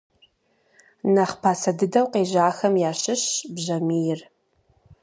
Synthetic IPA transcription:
nɐχpʰaːsɐdɨdɐwqeːʑaːxɐmjaːɕɪɕbʑɐmiːjɪr

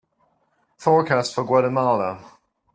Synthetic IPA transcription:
fɔːɹkʰastfəɡwɛɾəmɑːlə

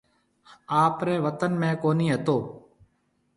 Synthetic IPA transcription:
aːpɾɛːʋət̪ənmẽːkoːniːɦət̪oː

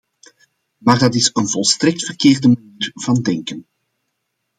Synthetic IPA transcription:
maːrdɑtɪsənvɔlˠstrɛk̚tfərkeːrdəmaniːrv̥ɑndɛŋkən

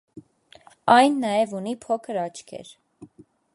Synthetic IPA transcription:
ɑjnːɑjɛvunipʰɔkʰəɾɑt͡ʃkʰɛ̰ɾ

